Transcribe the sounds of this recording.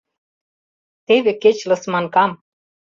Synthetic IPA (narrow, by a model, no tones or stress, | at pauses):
t̪eβĕket͡ɕlɤ̆smɑnkɑm